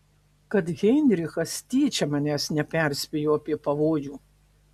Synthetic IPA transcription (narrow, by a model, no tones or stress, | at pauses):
kɐt̪ɣʲɛnʲɾʲɪxɐst̪ʲiːt͡ʃʲɛmɐnʲæsnʲɛpʲɛɾʲsʲpʲɛjoːɐpʲiɛpɐʋoːjuː